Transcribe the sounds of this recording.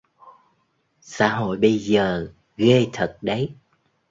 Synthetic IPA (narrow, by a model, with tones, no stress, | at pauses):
sa̰ː˧˦ɦo̰˧˨jɓə˧jzəː˨˩ | ɣe˧t̪ʰə˨˩t̚ɗə˨˦j